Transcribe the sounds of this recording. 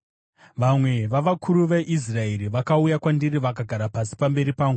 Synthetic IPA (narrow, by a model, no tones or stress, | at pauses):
ʋamwe̞ʋaʋakʰuɾuʋe̞ʔis̬rae̞ɾiʋakaujakwandiriʋakaɡʱaɾapasi̥pambe̞ɾipaːŋɡu